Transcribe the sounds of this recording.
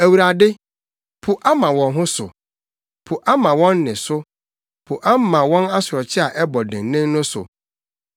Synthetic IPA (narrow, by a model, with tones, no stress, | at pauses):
æ˨wu˨ɾa˨dɪ˦ | pʰʊ˨ʔa˦mã˨wɔ̃˨nɦʊ̃˦sʊ̰˨ | pʰʊ˨ʔa˦mã˨wɔ̃˦nː˦ɪ̃˨sʊ˦ | pʰʊ˨ʔa˦m˦mã˨wɔ̃˦na˦sʊ˨ɾɔ˨t͡ɕʰɪ˦a˨ʔɛ˦bɔ˨dɪ̃˨nnɪ̃˦nnʊ̃˦sʊ̰˨